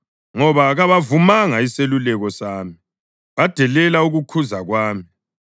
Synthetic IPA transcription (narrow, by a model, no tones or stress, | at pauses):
ŋɔβaɣaβavumaŋaiselulɛɣɔsaːmi | βad̥ʱɛlɛlauɣukʰuzaɣwaːmi